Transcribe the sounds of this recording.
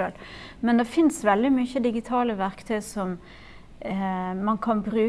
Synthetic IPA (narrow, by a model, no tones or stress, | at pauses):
øːlmɛnd̪ɛfɪnsʋɛld̪ɪmyçəd̪ɪɡɪt̪ʰɑːləʋæɾkt̪ʰœʏsɔm | mɑnkʰɑnbɾʉː